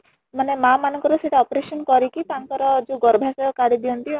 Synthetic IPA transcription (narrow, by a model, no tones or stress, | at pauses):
manemamanɔ̃ŋkɔɾuseʈaɔpɔɾesɔnkɔɾikit̪aŋkɔɾɔd͡ʒeɡɔɾbʱasɔɔkaɽid̪iɔnt̪i